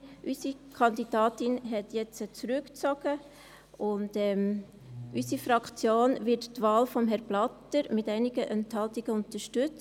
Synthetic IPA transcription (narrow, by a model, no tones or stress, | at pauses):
ʔysikʰɑndid̥ɑːtɪnɦɛtjɛt͡st͡sɾʉkt͡sɔɡ̥ə | ʊndɛːm | ʔysifɾɑkt͡sjoːnvɪttvaːlfɔmɦɛɾblɑtəɾmɪtæɪnɪɡ̥əʔœnt̪hɑltiɡ̥əʊntəʃtʉt͡s